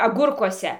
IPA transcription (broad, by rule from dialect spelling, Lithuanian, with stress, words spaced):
ɐˈɡʊrkuɔsʲɛ